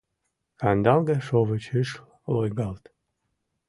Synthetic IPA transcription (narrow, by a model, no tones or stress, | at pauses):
kɑnd̪ɑlˠɡɑʃovət͡ɕɨʃ | lojɡɑlt̪